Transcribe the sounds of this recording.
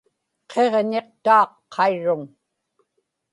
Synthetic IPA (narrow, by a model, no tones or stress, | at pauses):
qʰe̞ʁne̞qt̪uːqʰːɑiɻːʊŋ